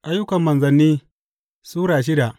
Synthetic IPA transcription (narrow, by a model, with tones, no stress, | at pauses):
ʔa˦jːʊ˦kɐ˨mːɐ˨nzɐ˨nːiː˦ | suː˦ɽaː˨ʃ̬ɪ˦da˨ʔ